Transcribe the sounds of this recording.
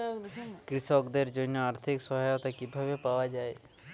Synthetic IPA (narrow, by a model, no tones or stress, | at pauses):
kɾɪsɔːkd̪eɾd͡ʒoːnoaːɾt̪ʰɪksɔɦajot̪ɐkːibʱɐʋepaːʋad͡ʒaːe